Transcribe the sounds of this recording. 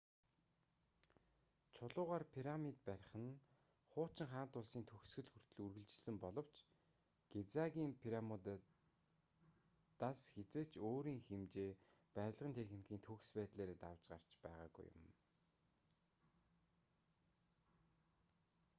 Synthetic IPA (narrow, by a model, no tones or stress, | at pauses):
t͡ɕʰʊɮʊːʁaːrpʰiɾamit̪̚pæɾ̆ʲχə̆n | χʊːt͡ɕɪ̆ŋχaːn̥t̪ʊːsiːnt̪ʰɵxsɡɘ̆ɮxur̥t̪ɵ̆ɮurɣɘ̆ɮt͡ɕɪ̆ɮsɘ̆mpɔɮɞ̆w̥t͡ɕ | ɡ̥et͡saɣʲiːmpʰiɾamʊt̪ | t̪asxet͡seːt͡ɕʰoːɾiːŋxemt͡ɕeːpæɾʲɪ̆ɮʁənt̪ʰexnikʰiːnt̪ʰɵxspæːt̪ɮeːɾeːt̪awt͡ɕɢa̰r̥t͡ɕpæ̰ːʁa̰ːɡṵjʊ̰m